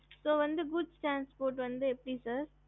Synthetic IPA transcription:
soːʋɐ̃nd̪əɡʊsʈɾãːnspoːɾʈʋɐ̃nd̪əepʈiːsɐɾ

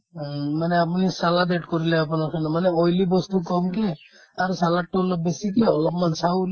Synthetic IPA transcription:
manɛapunisaladeʈkɔɹilɛapunaɹkʰanɔmanɛojlibɔst̪ukɔmkɛ | aɹusalaʈːoɔlɔp̚besikeɔlɔpmansawl

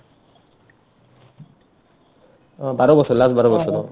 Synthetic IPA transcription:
baɾobɔsʰɔlasbaɾobɔʃʰɔt̪ɔ

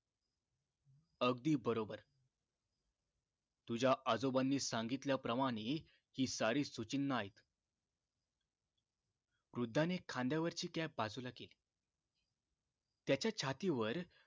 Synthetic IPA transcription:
əɡ̚d̪iːbəɾobəɾ | t̪ud͡ʑaʔəd͡zobanːiːsãŋɡit̪ljapɾəmaɽ̃iː | hiːsaɾiːsut͡ɕinːəaɦit̪ | ɾud̪ʱːanekʰãnd̪jaʋəɾt͡ɕiːkjabad͡zulakeːli | t̪jat͡ɕjat͡ɕʰat̪iʋəɾ

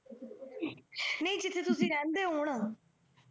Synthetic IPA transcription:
nəĩːd͡ʒɪt̪ʰːeːt̪ʊsĩːɾɛ̃ːnd̪eːɦoːɳ

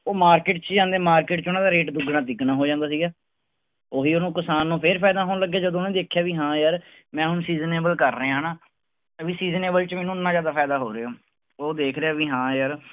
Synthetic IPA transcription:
oːmaːɾkeːʈt͡ʃd͡ʒãːnd̪eːmaːɾkeːʈt͡ʃʊnãːd̪aːɾeːʈd̪ʊɡnãːt̪ɪknãːɦoːd͡ʒãːnd̪aːs̬iːɡaː | oːɦiːonũːkəsaːnːũːpʰɪɾpʰaːd̪aːɦoːnːləɡːjaːd͡ʒəd̪õːnẽːd̪eːkʰjaːʋiːɦãːjəɾ | mɛ̃ːɦʊnsiːzneːbəlkəɾːəeːɦnaː | əbiːsiːzneːbəlt͡ʃmɛːnũːɪnːãːzjaːd̪aːpʰaːd̪aːɦo̰ːɾeoː | oːd̪eːkʰɾeaːʋiːɦãːjəɾ

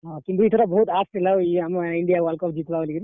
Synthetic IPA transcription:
ɦakind̪ɾuit̪ʰɐɾɐbɐɦut̪aːsʈilːɐiɐmːɐiɳɖijaːʋɐːlkɔːp̚d͡ʒiːt̪ʋaːʋɐliɡiɾ

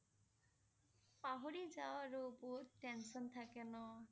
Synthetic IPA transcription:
paɦoɹizawaɹubutɛnsɔnt̪ʰakɛnɔ

